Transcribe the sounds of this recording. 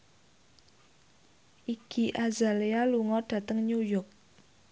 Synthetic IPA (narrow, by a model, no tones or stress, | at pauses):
ʔiɡ̥iʔazalealuŋɔɖ̥ä̤t̪əŋɲujɔk̚